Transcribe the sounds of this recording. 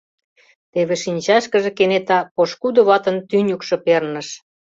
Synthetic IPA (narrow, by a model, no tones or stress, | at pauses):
t̪eβeʃinʲt͡ɕɑʃkəʒĕkenet̪ɑpoʃkud̪ŏβɑt̪ə̆nt̪ynʲukʃɤ̆pernə̆ʃ